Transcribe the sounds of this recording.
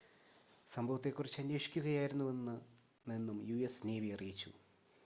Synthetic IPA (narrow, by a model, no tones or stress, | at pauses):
sɐmbʱɐʋɐt̪ːe̞kːurit͡ɕːɐnːeːʂi̥kʲːuɣɐjaːjiɾunːuʋe̞nːɨ | ninːumjuesneːʋiɐrijit͡ɕːṵ